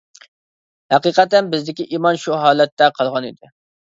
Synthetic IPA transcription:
hæqiːqɛt̪ɛnbɪzd̪ɪkʲiʔiːmɑnʃuɦɑːlˠɛt̪ːɛqʰɑlˠʁɑnɪ̰d̪ɪ

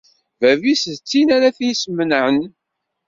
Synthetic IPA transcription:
vævisðt͡sːinæɾæθsmənʕən

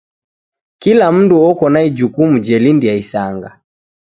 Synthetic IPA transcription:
kilam̩nduɔkɔnaid͡ʒukumud͡ʒɛlindiaisaŋɡa

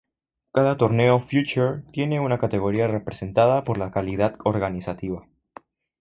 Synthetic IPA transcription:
kaðat̪o̞ɾne̞ofjut͡ʃuɾt̪je̞ne̞unakat̪e̞ɣ̞o̞ɾiare̞pɾe̞se̞nt̪aðapo̞ɾlakalið̞aðoɾɣanisat̪iβa

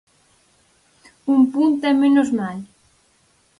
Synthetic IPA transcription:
umpunt̪amẽnozmal

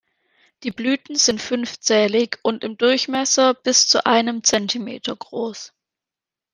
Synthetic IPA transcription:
d̥iːblyːtn̩zɪntfʏnft͡sɛːlɪçʔʊntɪmdʊɐçmɛsɐb̥ɪst͡suʔaɪnəmt͡sɛntʰimḛːtʰɐɡʁoːs

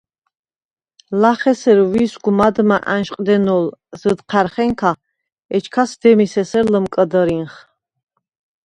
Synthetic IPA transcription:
laχɛsɛɾwisɡumad̪maʔanʃqʼd̪ɛnɔlz̥əd̪qʰaɾχɛŋkʰa | ɛt͡ʃʰkʰasd̪ɛmisɛsɛɾləmkʼəd̪əɾinχ

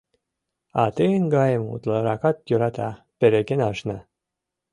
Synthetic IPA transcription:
ɑ̰t̪ɨnɡɑjəmṵt̪lˠɑɾɑkɑt̪̚joɾɑt̪ɑ | peɾeɡenɑʃnɑ

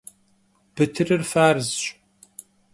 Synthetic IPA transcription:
b̥ɨtʰɨrɨrfaːrɨzɕʼ

